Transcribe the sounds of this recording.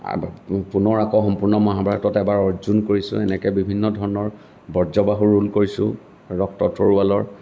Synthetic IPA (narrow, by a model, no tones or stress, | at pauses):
punɔɹakɔxɔmpuɹnɔmɔɦabʱaɡɔtɔtɛbaɹɔɹzunkoɹisʊ̰̃ɛnɛkɛbibʱinːɔdʱɔɹɔnɔɹ | bɔɹzɔbaɦuɹulkoɹisʊ̰̃ | ɹɔk̚tɔtʰoɹualɔɹ